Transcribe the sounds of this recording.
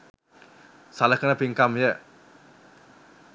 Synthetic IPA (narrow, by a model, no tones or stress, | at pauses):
salahkənapiŋkamjɛ